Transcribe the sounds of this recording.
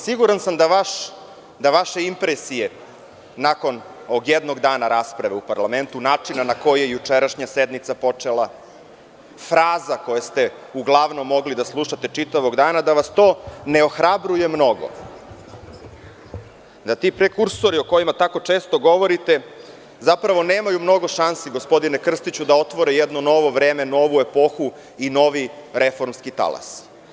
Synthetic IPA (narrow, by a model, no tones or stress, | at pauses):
siɡuɾansamd̪aʋaʃ | d̪aʋaʃe̞impɾesije̞ | nako̞n | ooɡjed̪no̞ɡd̪aːnaɾaspɾaʋeupaɾlˠame̞nt̪unaːt͡ʂinanako̞jijejut͡ʂeɾaʃɲased̪mit̪sapo̞t͡ʂelˠa | fɾaːzako̞jest̪e̞ | uɡlˠaʋno̞mːo̞ɡlid̪aslˠuʃat̪e̞t͡ʂit̪aʋoɡd̪aːnad̪aʋast̪o̞ːne̞o̞xɾabɾuje̞mno̞ɡo̰ | d̪at̪iːpɾekuɾsoɾio̞ko̞jimat̪ako̞t͡ʂe̞ːst̪o̞ɡo̞ʋo̞ɾit̪e̞ | zapɾaʋo̞neːmajumno̞ɡo̞ʃansiɡo̞spo̞d̪inekr̩st̪it͡ɕud̪ao̞t̪ʋo̞ɾɛjɛd̪nono̞ʋo̞ʋɾe̞ːme̞no̞ʋue̞po̞xu | ino̞ʋiɾe̞fo̞ɾmskit̪a̰lˠa̰s